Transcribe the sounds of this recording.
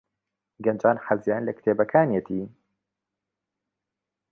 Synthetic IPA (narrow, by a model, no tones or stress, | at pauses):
ɡɐnd͡ʒaːnħazjaːnlɐkt̪ʰeːbɐkʰaːnjet̪ʰiː